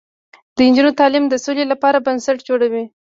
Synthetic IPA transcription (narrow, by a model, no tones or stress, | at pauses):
d̪̥əɪnd͡ʒinot̪ɑlimd̪əsolelapɑɾabansaʈd͡ʒoɽawi